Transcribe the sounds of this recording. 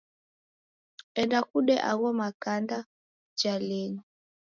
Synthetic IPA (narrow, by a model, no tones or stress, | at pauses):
ɛndakuɗɛʔaɣɔmakanda | d͡ʒalɛɲi